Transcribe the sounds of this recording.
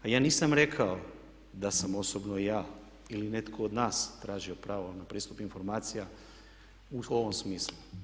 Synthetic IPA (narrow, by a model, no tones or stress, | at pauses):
ajaːniːsamɾe̞kʰao | d̪asamo̞sobnoijaː | iline̞t̪kʰoːd̪naːst̪ɾaːʒio̞pɾaːʋonapɾiːst̪upinfo̞ɾmaːt̪sija | uo̞ʋomsmiːslu